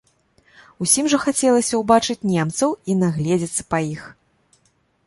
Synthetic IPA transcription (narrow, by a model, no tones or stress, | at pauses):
usʲimʐɐxat͡sʲɛlˠɐsʲɐwbat͡ʂɨt͡sʲnʲɛmt̪sɐwinaɣlʲɛd͡zʲɛt̪sːɐ̥pɐjix